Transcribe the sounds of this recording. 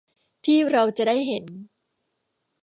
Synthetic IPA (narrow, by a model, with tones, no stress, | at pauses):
t̪ʰiː˥˩ɾa˧wt͡ɕa˨˩daː˥˩jɦe˩˦n